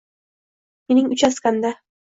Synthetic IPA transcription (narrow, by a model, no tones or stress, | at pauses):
menɪŋʊt͡ʃaskand̪a